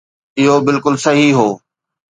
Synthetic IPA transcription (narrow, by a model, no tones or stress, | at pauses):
ɪɦobɪlkʊlsɐɦiɦoː